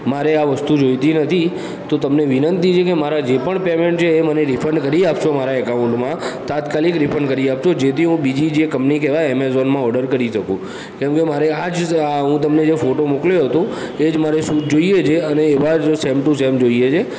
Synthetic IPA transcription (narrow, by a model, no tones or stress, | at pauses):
maɾeaʋəst̪ud͡ʒojt̪inət̪ʰi | t̪ot̪əmneʋɪnənt̪it͡ʃʰekemaɾad͡ʒepəɳpemeɳʈt͡ʃʰeːməneɾɪfʰəɳɖkəɾiapt͡ʃʰomaɾaekaʊ̃ɳʈmãt̪at̪kalikɾɪfʰəɳɖkəɾiapt͡ʃʰod͡ʒet̪ʰiɦũbid͡ʒid͡ʒekə̃mpnikeʋaeɛmezonmãɔɾɖəɾkəɾiʃəkũ | kɛ̃mkemaɾead͡ʒɦũt̪̬əmned͡ʒefoʈomukljoɦət̪õ | ed͡ʒmaɾesud͡ʒoiet͡ʃʰeəneːʋasɛmʈũsɛmd͡ʒoiet͡ʃʰe